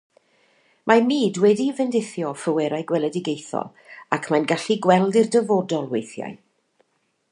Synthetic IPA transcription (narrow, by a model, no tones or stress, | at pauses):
mʔamiːdwɛdivɛndɪθjɔfəwɛɾajɡwɛlˠədɪɡejθɔ̰lˠ | akʰmajnɡaɬiɡwɛlˠdirdəvodɔlˠwejθja̰j